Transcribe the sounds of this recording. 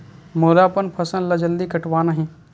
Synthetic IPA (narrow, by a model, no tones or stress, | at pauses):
moːd̪apənpʰɐsə̃nlɐd͡ʒəld̪ikɐʈwaːnaɦĩː